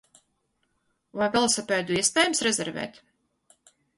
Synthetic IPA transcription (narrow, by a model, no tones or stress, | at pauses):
vajvɛlˠsapʲɛjd̪uiɛspɛːjumsɾɛzɛɾvɛ̰ːt̪